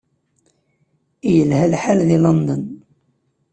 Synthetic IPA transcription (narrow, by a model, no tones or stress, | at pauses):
ijəlhælħalðilond̪ən